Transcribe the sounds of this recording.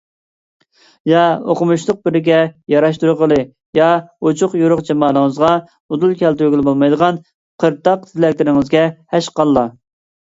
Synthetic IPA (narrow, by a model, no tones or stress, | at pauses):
jɑoqʊmuʃlˠəq̚bɪɾɪɡʲɛjɑɾɑʃt̪uɾʊqʰəlˠɨ | jɑot͡ʃʰʊqjuɾʊqd͡ʒɑmɑːnˠəŋəzʁɑ | od̪ulˠkʲɛlt̪yɾɡʲilˠbolˠmɑjd̪əʁɑn | qʰəɾt̪ɑq̚t̪ʰɪlɛk̚ʲlɪɾɪŋɪzɡʲɛhɛʃqɑlˠːɑ